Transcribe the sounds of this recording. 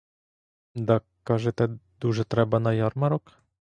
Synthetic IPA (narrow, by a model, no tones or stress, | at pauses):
d̪a | kaʒɛt̪ɛd̪uʐɛt̪ɾɛbanajaɾmaɾɔk